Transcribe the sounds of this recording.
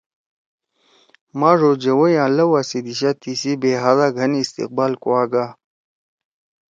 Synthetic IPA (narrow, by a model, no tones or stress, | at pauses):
mãːʐoːd͡ʑɐwɐjãːlɐwasid̪iɕat̪isibeːɦazaɡʱɐniːst̪ḭq̚baːlkuwaːɡa